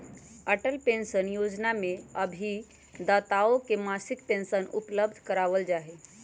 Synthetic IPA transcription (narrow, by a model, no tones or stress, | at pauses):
əʈəlpẽnsənjod͡ʒnameəbʱi | d̪at̪aokemasikpensənṵpləb̚d̪ʱkəɾaʋəld͡ʒaɦe